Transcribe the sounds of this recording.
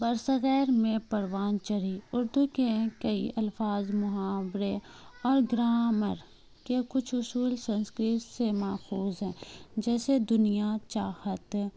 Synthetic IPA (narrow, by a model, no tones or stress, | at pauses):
bɐɾsəɣɛːɾmẽpɐɾʋaːnt͡ʃəɾiʊɾd̪ukẽkɐiɐlfaːzmʊɦaːbɾeɔːɾɡɾaːməɾ | kekʊt͡ʃʰʊsuːlsə̃nskɾɪt̪semaːxuːzɦɛ̃ːd͡ʒɛːsed̪ʊnijat͡ʃaːhət̪